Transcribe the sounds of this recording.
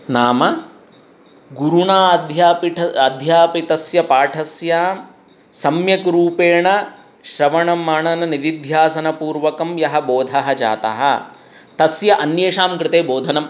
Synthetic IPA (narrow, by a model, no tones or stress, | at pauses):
naːmɐ | ɡuɾuɳaːɐd̪ʱjaːpiʈʰɐɐd̪ʱjaːpit̪ɐsjɐpaːʈʰɐsjaːm | sɐmjɐkɾuːpeːɳɐ | ʃɾɐʋɐɳɐmːaːɳɐnɐnid̪id̪ʱjaːsɐnɐpuːɾʋɐkɐmjɐɦɐboːd̪ʱɐɦɐd͡ʒa̰ːt̪ɐ̰ɦɐ̰ | t̪ɐsjɐʔɐnjeːʂaːmkɾɪt̪eːboːd̪ʱɐnɐm